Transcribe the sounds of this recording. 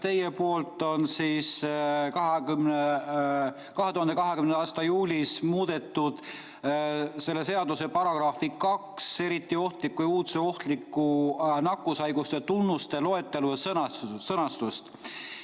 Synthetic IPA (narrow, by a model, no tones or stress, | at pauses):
t̪e̞jːepo̞ːlt̪ːˑo̞nsiːskɑɦeyme | kɑɦe̞t̪uhɑnd̪kɑɦe̞kymnɑːst̪ɑjuːlʲismuːd̪̥e̞t̪ːud̪̥ | se̞lːe̞se̞ɑd̪use̞pɑɾɑɡ̥rɑːfikɑkse̞ɾit̪ːˑio̞ht̪likːˑujuːt̪seo̞ht̪likːˑunɑkːˑusɑjɡust̪et̪unːust̪e̞lo̞e̞t̪ːˑe̞lujɑsɤnɑsɤnɑst̪ust̪